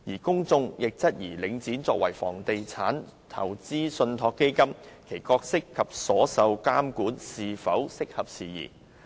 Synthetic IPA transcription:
jiː˨˩kʊ˥ŋt͡sʊ˧ŋjɪ˨k̚t͡sɐ˥t̚jiː˨˩lɪ˨˧ŋt͡siː˨˥nt͡sɔː˧k̚wɐ˨˩jfɔ̰ː˨˩ŋt̪e˨jt͡sʰaː˨˥n | t̪ʰɐ̰˨˩wt͡siː˥sɵ˧nt̪ʰɔː˧kːe˥jkɐ˥mkʰe˨˩jkɔː˧k̚sɪ˥kʰːɐ˨p̚sɔː˨˥sɐ˨˧wkaː˥mkuː˨˥nsiː˨fɐ˨˥wsɪ˥k̚hɐ˨p̚siː˨˩jḭː˨˩

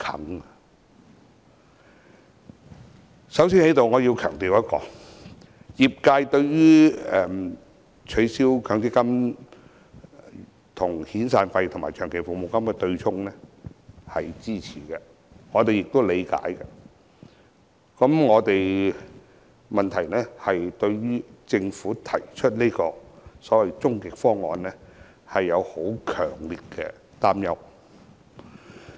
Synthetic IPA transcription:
kʰɐ̰˨˥ŋɐ˧ | sɐ˨˥wsiː˥nhe˨˥jt̪o˨wŋɔː˨˧ji˧wkʰœ̰ː˨˩ŋt̪iː˨wjɐ˥t̚kɔ̰ː˧ | jiː˨p̚kaː˧jt̪ɵ˧ɥjyː˥ɛ˧ | t͡ʃʰɵ˨˧ɥsiː˥wkʰœː˨˧˥ŋt͡si˥kɐ˥m | t̪ʰʊ˨˩ŋhiː˨˥nsaː˧nfɐ˧jt̪ʰʊ˨˩maː˨˩jt͡ʃʰœː˨˩ŋkʰe˨˩jfo˨mo˨˧wkɐ˥mkɛ˧t̪ɵ˧ɥt͡sʰʊ˥ŋnɛː˥hɐ˨jt͡siː˥t͡sʰiː˨˩kɛ˧ | ŋɔː˨˧t̪e˨jɪ˨k̚t̪o˥wle˨˧jka̰ː˨˥jkɛ˧ | kɐ˨˥mŋɔː˨˧t̪e˨j | mɐ˨nt̪ʰɐ˨˩jnɛː˥hɐ˨jt̪ɵ˧ɥɥyː˥t͡sɪ˧ŋfuː˨˥t̪ʰɐ˨˩jt͡ʃʰɵ˥t̚ni˥jkɔː˧sɔː˨˥wɐ˨jt͡sʊ˥ŋkɪ˨k̚fɔː˥ŋːɔː˨˧nlɛː˥ | hɐ˨jːɐ˨˧who˨˥wkʰœː˨˩ŋliː˨t̚kɛː˧ | t̪aː˥mjɐ˥w

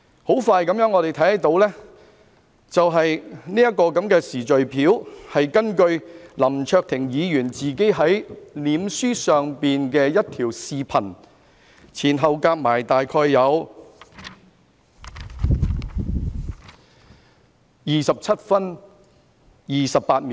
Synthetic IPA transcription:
ho˨˥wfaː˧jkɐ˨˥mjœː˨˥ŋːɔː˨˧ɾe˨˩jt̪ʰɐ˨˥jhɐ˥t̪o˨˥wlɛː˥ | t͡sɐ˨wɦɐ˨jniː˥jɐ˥t̚kɔː˧kɐ˨˥mkɛː˧siː˨˩t͡ʃɵ˨ɥpʰiː˨˥whɐ˨jkɐ˥nkɵ˧ɥlɐ˨˩mt͡ʃʰœː˧k̚t̪ʰɪ˨˩ŋjiː˨˧jyː˨˩nt͡siː˨ke˨˥jɦɐ˨˥jliː˨˧msyː˥sœː˨ŋpiː˨nkɛː˧jɐ˥t̚t̪ʰiː˨˩wsiː˨˧pʰɐ˨˩n | t͡sʰiː˨˩nɦɐ˨wkaː˧k̚maː˨˩jt̪aː˨jkʰɔː˧jːɐ˨˧w | jiː˨sɐ˨p̚t͡sʰɐ˥t̚fɐ˥n | jiː˨sɐ˨p̚pːaː˧t̚mi˨

